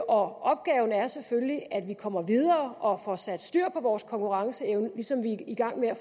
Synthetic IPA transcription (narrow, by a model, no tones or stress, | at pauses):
ʔɒ̽ʔɒ̽b̥̚ɡ̥ɛːʊn̩æɐsefølliʔæd̥ʋikʰɒ̽m̰ɐʋið̞ˠɐːʔɒ̽fɒsæd̥sd̥yɐ̰pʰɒ̽ʋɒːskʰɒ̽ŋkʰuʁɑ̈ŋsəeʊnəlisɒ̽mʋiiɡ̥ɑ̈ŋ̰meæ